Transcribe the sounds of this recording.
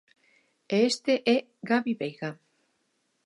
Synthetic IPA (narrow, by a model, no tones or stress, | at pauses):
eest̪eʔɛ | ɡaβiβejɣa